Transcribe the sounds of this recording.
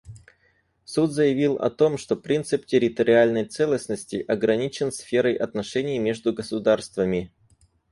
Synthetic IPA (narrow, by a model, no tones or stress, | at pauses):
sut̪zəjɪvʲilˠɐ̰t̪o̞mʂt̪o̞pɾʲint̪sɨptʲɪɾʲɪt̪əɾʲɪalʲnəjt̪sɛlˠəsʲnəsʲtʲɪʔɐɡɾɐnʲit͡ɕɪnsfʲe̞ɾəjʔɐt̪nɐʂɛnʲɪjmʲe̞ʐd̪ʊɡəsʊd̪arst̪vəmʲɪ